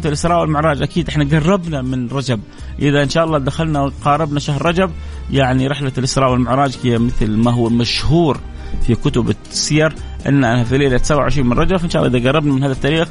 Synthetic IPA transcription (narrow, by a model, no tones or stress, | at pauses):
t̪ɪlʔɪsɾˤɑːʔwɪlmʊʕɾˤɑːd͡ʒʔakiːd̪ʔɪħnaɡɑrˤːɑbnamɪnɾˤɑd͡ʒab̚ | ʔɪðaʔɪnʃaːʔɑlːɑːd̪axalnawqɑːɾˤɪbnaʃahɾːˤɑd͡ʒab̚ | jaʕniɾˤɪħlalʔɪsɾɑːʔwɪlmʊʕɾˤɑːd͡ʒkɪjːamɪθlmaɦʊwːamaʃhuːɾ | fikʊt̪ʊbt̪sijɑɾˤ | ʔɪ̰nːʔanafileːlat̪sawːaʕɪʃɾiːnmɪnˤɾˤɑd͡ʒabfaʔnʃaːʔlːʔɪðaɡɑrˤːɑbnamɪnaːðat̪ːaːɾiːx